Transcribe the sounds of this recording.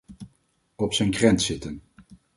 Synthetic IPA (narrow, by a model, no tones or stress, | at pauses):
ɔpsənkrɛnsɪtən